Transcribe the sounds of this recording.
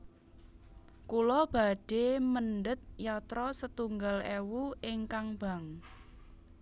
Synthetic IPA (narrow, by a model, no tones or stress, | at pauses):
kulɔb̥a̤ɖ̥e̤mənɖət̪̚jat̪ɾɔsət̪uŋɡalewuɪŋkaŋb̥a̤ŋ